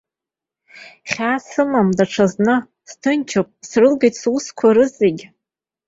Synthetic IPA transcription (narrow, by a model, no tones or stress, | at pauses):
χʲaːsɨmamdaʈ͡ʂʰaznɨ | stʰɨnt͡ʃʰopʼsrɨlɡijtʼsuskʷʰaɾɨzeɡʲ